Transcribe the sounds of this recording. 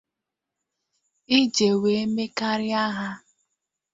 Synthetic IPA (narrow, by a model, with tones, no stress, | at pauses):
i˦d͡ʒe˨we˨e˦me˦ka˦ɾɪ˦a˦ɦa˦